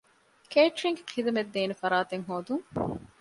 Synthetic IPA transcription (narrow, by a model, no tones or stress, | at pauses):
keːʈɾiŋɡeqʰid̪ɐmed̪ːeːnefɐɾaːt̪eŋɦoːd̪uŋ